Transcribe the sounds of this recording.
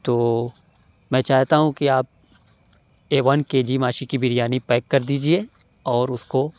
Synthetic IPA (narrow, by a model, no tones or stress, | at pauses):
t̪oː | mɛ̃ːt͡ʃaːɦt̪aɦũkiaːp̚ | eːʋɐnkeːd͡ʒimaːʃikibʱɪɾjaːnipɛːkːɐɾd̪iːd͡ʒie | ɔːɾʊsko